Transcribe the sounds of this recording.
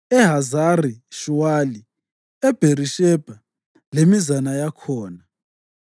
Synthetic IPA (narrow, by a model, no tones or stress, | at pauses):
ɛɦazariʃuwali | ɛb̥ʱeriʃɛb̥ʱa | lemizanajakʰɔːna